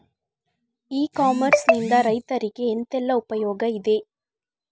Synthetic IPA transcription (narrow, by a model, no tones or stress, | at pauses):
iːkaːmɐɾsnɪnd̪ɐɾɐɪt̪ːɐɾɪkːɯɛnt̪ɛlːɐʊpɐjoːɡɐɪðeː